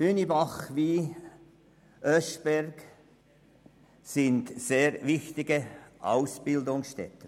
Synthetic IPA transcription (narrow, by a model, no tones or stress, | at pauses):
hynibɑχviː | ʔœʃb̥ɛrɡ | sɪntseːɾvɪxt̪ɪɡəʔa̰ʊsb̥ɪldʊŋsʃtɛ̰t̪ə